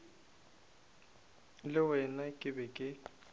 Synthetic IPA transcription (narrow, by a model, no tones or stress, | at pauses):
lɪwɛnakʼɪbɛkʼɪ